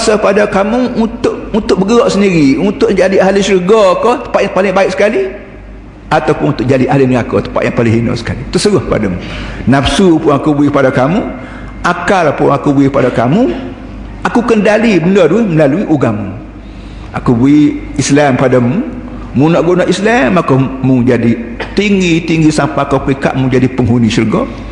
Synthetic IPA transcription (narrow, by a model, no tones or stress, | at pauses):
asakpadakamuunt̪ʊʔunt̪ʊk̚bəɡəɾɔʔsəndiɾiunt̪ʊʔd͡ʒadiaɦlisəɾəɡɔkɔt̪ə̥pat̪jaŋpalɪŋbaiʔsə̥kali | at̪awpʊnunt̪ʊʔ̚d͡ʒadiʔalɪnəɡakɔt̪ə̥pa̰ʔ̪jaŋpalɪŋɦino̰sə̥kalit̪əsəɾʊhkəpa̰damunapsupʊnakubuikəpadakamu | akalpʊŋakubuikəpadakamu | akukəndalibənəduihməlaluiʔuɡamu | akubui | islampadamu | munaʔɡonaʔislamakomuŋd͡ʒadit̪iŋɡit̪iŋɡisampaakaplika̰ʔmud͡ʒadipəŋɦunisərɡɔ̰